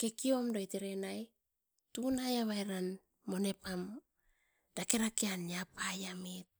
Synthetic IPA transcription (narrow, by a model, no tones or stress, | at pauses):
ke̞kio̞mdoeteɾenaj | tunajaβaeɾan | mo̞ne̞pam | d̥akeɾakeanjapajamit̚